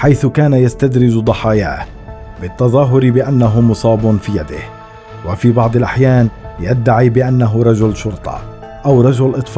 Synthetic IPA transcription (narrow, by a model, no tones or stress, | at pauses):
ħajθʊkaːnajast̪ad̪ɾɪd͡ʒd̪ˤɑħɑːja̰ːh | bɪt̪ːɑðˤɑːɦʊɾbɪʔanːaɦʊmʊsˤɑːbʊnfiːjad̪ɪ̰h | wafiːbɑʕd̪ˤɪlʔaħjaːnjad̪ːaʕiːbɪʔanːaɦʊɾˤɑd͡ʒʊlʃʊɾt̪ˤʰɑ̰ | ʔawɾˤɑd͡ʒʊlʔɨt̪ˤf